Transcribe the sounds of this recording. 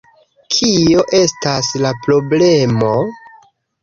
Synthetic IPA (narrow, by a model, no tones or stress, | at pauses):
kʰio̞ʔe̞staslapɾo̞ble̞mo̞